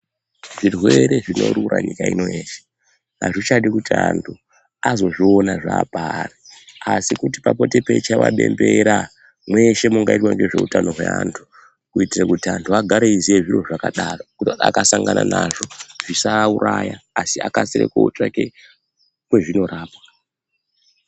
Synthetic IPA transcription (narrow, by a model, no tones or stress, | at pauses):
ʐirweɾe̞ʐino̞ɾurɾaɲikaino̞eːʃe̥ | a̰ʐit͡ʃaɗikutiantʰu | azo̞ʐio̞naʐaːpareasikutipapo̞te̞pe̞t͡ʃaʋa̰ɓembeɾa | mwe̞ʃe̞muŋɡaitwaŋɡe̞ʐe̞utano̞ɦwḛaːntʰu̥ | kuitirakutiantʰuaɡʱaɾeizieʐiro̞ʐakaɗarokuta̰kasaŋɡananaʐo̞ʐ̥isauɾajaːsiakasiɾḛkout͡ʂake | kwe̞ʐino̞ɾaːpḁa